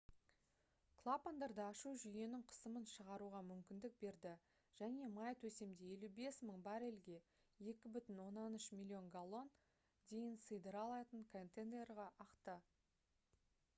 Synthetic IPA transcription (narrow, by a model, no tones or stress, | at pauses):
kʰlˠapond̪ɑɾd̪əɑʃuʒʏje̞nɪɴqʰə̥səmənʃəʁɑɾuʁɑmʏmkʲɪnd̪ɪk̚be̞ɾd̪ɪ | ʒ̥æne̞mɑjt̪ʰɵse̞md̪e̞e̞lube̞sməɴbɑɾe̞lɡʲe̞ | je̞kʲɪbʏt̪ɪnwo̞nːɑnʏʃmʲilʲːio̞ŋɡalˠo̞n | d̪e̞jɪnsəjd̪əɾɑlˠɑt̪əɴkʰont̪end̪e̞ɾʁɑʔɑqt̪ə